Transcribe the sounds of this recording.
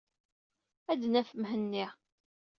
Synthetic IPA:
æd̪næfəmɦənːiʁ

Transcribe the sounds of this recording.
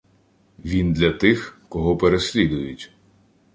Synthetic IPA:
ʋʲind̪lʲɐt̪ɪxkɔɦɔpeɾesʲlʲid̪ʊjʊtʲ

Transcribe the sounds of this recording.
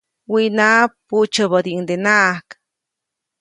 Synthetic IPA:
winapːut͡ʃəbəd̪iŋd̪enaʔhk

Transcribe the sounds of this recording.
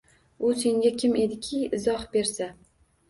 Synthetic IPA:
ʊse̞ŋɡʲakʲʰɪme̞d̪ɪkʲʰɪɪzɒχbe̞ɾsa

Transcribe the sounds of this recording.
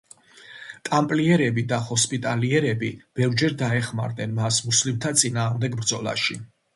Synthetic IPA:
t̪ʼampʼliɛɾɛbid̪ahɔspʼit̪ʼaliɛɾɛbib̥ɛvd͡ʒɛɾd̪aɛχma̰ɾd̪nɛnmasmuslimt̪ʰat̪sʼinaːʁmd̪ɛɡbɾd̪zɔlˠa̰ʃi

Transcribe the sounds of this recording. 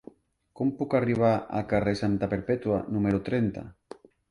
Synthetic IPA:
kompukariβ̞aa̰lkaresant̪apeɾpet̪uanumeɾot̪ɾent̪a̰

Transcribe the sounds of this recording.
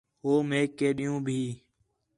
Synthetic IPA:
ɦoːmẽːkeːɗɪjũːbʱiː

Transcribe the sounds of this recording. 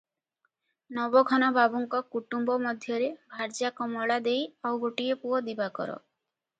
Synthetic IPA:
nɔbɔɡʱɔnɔbʱabuŋkɔkuʈumbɔmɔd̪ʱjɔɾebʱaɾd͡ʒakɔmɔɭad̪ejawɡoʈiepuɔd̪ibakɔ̰ɾɔ̰

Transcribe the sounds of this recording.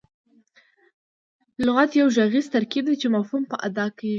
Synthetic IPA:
lʊɣat̪jawʒaɣizt̪aɾkib̚d̪ajt͡ʃemafhumpəʔad̪ɑkawi

